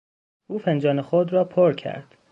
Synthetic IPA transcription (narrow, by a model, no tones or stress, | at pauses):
ʔuːfend͡ʒɒːnexod̪rɒːpʰoɾcʰæ̰ɾd̪̥